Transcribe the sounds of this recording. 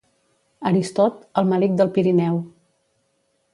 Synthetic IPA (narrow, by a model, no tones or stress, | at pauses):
əɾist̪ɔt̪əlˠməlik̚d̪əlˠpiɾinɛw